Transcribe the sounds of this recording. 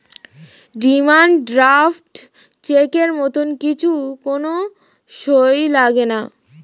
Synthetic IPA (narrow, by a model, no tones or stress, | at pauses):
ɖimanɖɾafʈ | t͡ɕekeɾmɔt̪onkit͡ɕʰukono | ʃojlaɡena